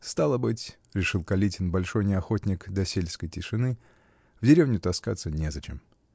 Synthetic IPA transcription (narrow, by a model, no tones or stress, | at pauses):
st̪alˠəbɨtʲ | ɾʲɪʂɨlˠkɐlʲitʲɪnbɐlʲʂo̞jnʲɪɐxo̞tʲnʲɪkd̪ɐsʲelʲskəjtʲɪʂɨnɨ | vdʲɪɾʲe̞vnʲʊt̪ɐska̰t̪sːənʲezɐt͡ɕḛm